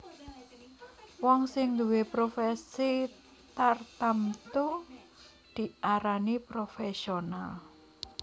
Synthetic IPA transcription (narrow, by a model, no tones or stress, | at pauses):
wɔŋsɪŋd̪uwepɾofɛsi | t̪art̪amt̪u | d̪̥i̤ʔaɾanipɾofɛsional